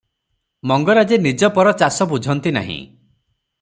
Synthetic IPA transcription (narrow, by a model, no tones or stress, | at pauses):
mɔŋɡɔɾad͡ʒenid͡ʒɔpɔɾɔt͡ʃasɔbud͡ʒʱɔnt̪ina̰ɦḭ̃